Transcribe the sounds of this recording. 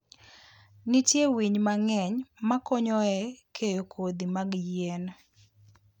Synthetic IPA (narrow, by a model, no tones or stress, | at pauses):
nɪtjewiɲmaŋɛɲmakɔɲɔɛkʰejokʰod̪imaɡjɛn